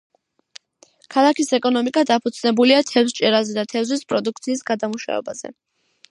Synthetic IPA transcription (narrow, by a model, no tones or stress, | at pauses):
kʰalˠakisɛkʼɔnɔmikʼad̪apʰut̪sʰnɛbuliat̪ʰɛvst͡ʃʼɛɾazɛd̪at̪ʰɛvzwispʼɾɔd̪uk̚ʰt̪sʰiːsɡad̪amuʃa̰ɛ̰baz̥ɛ̰